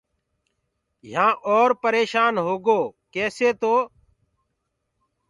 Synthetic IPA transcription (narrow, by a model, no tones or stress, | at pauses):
jãːʔɔːɾpəɾeːʃaːnɦoːɡoːkɛːseːt̪oː